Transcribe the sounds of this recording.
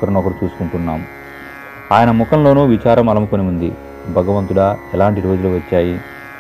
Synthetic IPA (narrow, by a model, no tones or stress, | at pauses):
kɐɾɐnɔkɐɾut͡ʃuːsu̥kuɳʈunːaːm | aːjɐnɐmukɐmlo̞ːnuːʋit͡ʃaːɾɐmɐlɐmukoniund̪i | bʱɐɡɐʋɐnt̪uɽaːɛlaːɳʈiɾo̞ːd͡ʒuluʋɐt͡ʃːaːji